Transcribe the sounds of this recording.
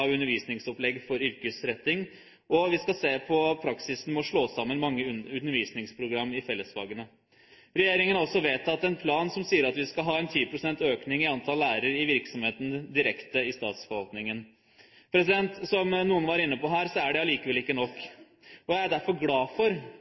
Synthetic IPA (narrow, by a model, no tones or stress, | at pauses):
ɑʋʉnəɾʋiːsnɪŋsɔplɛɡːfɔɾʏɾkəsɾɛt̪ːɪŋ | ɔʋɪskɑseːpʰɔpʰɾɑksɪsn̩mɔʂɭoːsɑmːənmɑŋːəʉnːəɾʋiːsnɪŋspʰɾʊɡɾɑmːɪfɛlːəsfɑ̰ːɡənə | ɾɛjeːɾɪŋənɔsːɔʋeːt̪ɑt̪ɛnpʰlɑːnsɔmsiːəɾɑt̪ʋɪskɑɦɑːɛnt̪ʰiːpʰɾʊsɛnt̪øːknɪŋɪɑnt̪ʰɑlːæːɾəɾɪʋɪɾksɔmheːt̪ən̩d̪ɪɾɛkt̪əɪst̪ɑ̰ːt̪sfɔɾʋɑlt̪nɪŋən | pʰɾɛsɪd̪ɛnt̪sɔmnuːənʋɑɾɪnːəpɔɦæːɾsɔæɖɛɑliːkəʋɛlɪkːənɔkː | ɔjæɪæɖ̪æɾfɔɾɡlɑːfɔɾ